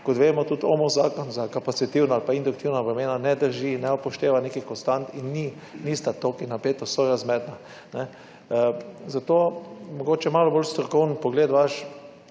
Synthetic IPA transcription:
kɔt̪ʋeːmɔt̪ut̪ɔ̰mɔzaːkɔnzakapat̪sit̪iwnoalpaind̪ʊukt̪iwnaʋɾɛmeːnanɛd̪əɾʒinɛɔpɔʃt̪eːʋanekikɔnst̪ant̪inːi | nist̪at̪okinapeːt̪ɔsɔɾazmɛd̪na | nɛ | zat̪oːmɔɡoːt͡ʃɛmaːlɔbolst̪ɾɔkɔwnpɔɡleːd̪ʋaʃ

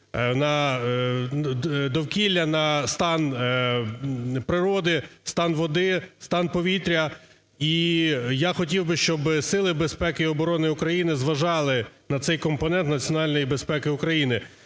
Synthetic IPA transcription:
nɐ | d̪ɔwkʲilʲːɐnɐst̪ɑn | pɾɪɾɔd̪ɪst̪ɑnʋɔd̪ɪst̪ɑnpɔʋʲit̪ɾʲɐ | ijaxɔtʲiwbɪʃt͡ʃɔbsɪlˠɪbespɛkɪiɔbɔɾɔnɪʊkɾɐjinɪzʋɐʒɑlˠɪnɐt̪sɛjkɔmpɔnɛnt̪nɐt͡sʲjɔnɑlʲnɔjibespɛkɪʊkɾɐjinɪ

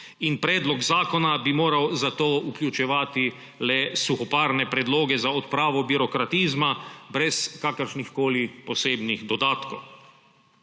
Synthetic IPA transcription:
inpɾɛːd̪lɔkzaːkɔnabimoːɾawzat̪oːukljut͡ʃɛʋaːt̪i | lɛsuxɔpaːɾnɛpɾɛd̪loːɡɛzaɔt̪pɾaːʋɔbiɾɔkɾat̪iːzmabɾɛskaːkəɾʃnixkoːlipɔseːbnixd̪ɔd̪aːt̪kɔw

